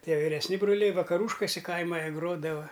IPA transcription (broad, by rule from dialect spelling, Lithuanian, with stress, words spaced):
ˈtʲiɛ ʋʲɪrʲɛsʲˈnʲɪ brʊˈlʲɛɪ ʋɐkɐˈruːʃkʊsʲɛ ˈkɐɪmɐ jiɛ ˈɡroːdɐʋɐ